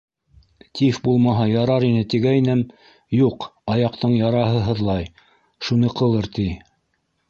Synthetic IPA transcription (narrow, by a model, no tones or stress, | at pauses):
t̪ifbulˠmɑɦɑjɑɾɑɾinɘt̪iɡæjnɘm | juqɑjɑqt̪ɤɴjɑɾɑɦɤ̆ɦɤ̆ðlˠɑj | ʃunɤqɤ̆lˠɤɾt̪i